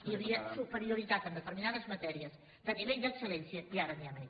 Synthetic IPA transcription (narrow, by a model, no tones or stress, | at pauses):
iɾiɐsupəɾjuɾit̪at̪ə̃nd̪ət̪əɾminaðəzmɐt̪ɛɾiɐs | t̪ənivejðəksəlensjɐd̪iaɾɐniame